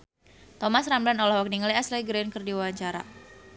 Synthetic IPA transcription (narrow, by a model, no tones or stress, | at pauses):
t̪ɔmasramblanɔlɔhwak̚niŋliaslaɡɾenkɨrdiwawaɲt͡ʃaɾa̰